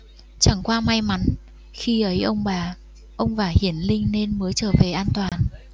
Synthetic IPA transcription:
t͡ɕa˧˩ŋkwaː˧ma˧jma˨˦n | xi˧ʔə˨˦jʔə˧wŋ͡mɓaː˨˩ | ʔə˧wŋ͡mvaː˨˩hi˧˩ənlï˧ŋ̟ne˧nməː˨˦jt͡ɕəː˧˩ve˨˩ʔaː˧nt̪waː˨˩n

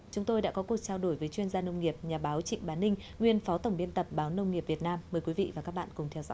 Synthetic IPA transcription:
t͡ɕʊ˨˦ŋ͡mt̪o˧jɗa̰ː˧˥kɔ˨˦ku˨˩ək̚t͡ɕaː˧wɗo˧˩jvəː˨˦jt͡ɕwi˧ənzaː˧nə˧wŋ͡mŋi˨˩əp̚ɲaː˨˩ɓaː˨˦wt͡ɕḭ̈˧˨ŋ̟ɓaː˨˦nːï˧ŋ̟ | ŋwi˨˧ənfɔ˨˦t̪ə˧˩wŋ͡mɓi˧ənt̪ə˨˩p̚ɓaː˨˦wnə˧wŋ͡mŋi˨˩əp̚vi˨˩ət̚naː˧mːəː˨˩jkwi˨˦vḭ˧˨vaː˨˩kaː˦˥k̚ɓa̰ː˧˨nkʊ˨˩ŋ͡mt̪ʰɛ˧wzɔ̰˧

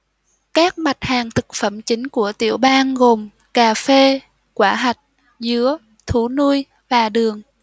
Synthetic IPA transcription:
kaː˦˥k̚ma˨˩t̚haː˨˩ŋt̪ʰɨ˨˩k̚fə˧˩mt͡ɕï˨˦ŋ̟ku˧˩ət̪ḭ˧˩əwɓaː˧nɣo˨˩m | kaː˨˩fe˧ | kwaː˧˩ɦa˨˩jk̟̚ | zɨ˨˦ə | t̪ʰu˧˩nu˧j | vaː˨˩ɗɨ˨˩əŋ

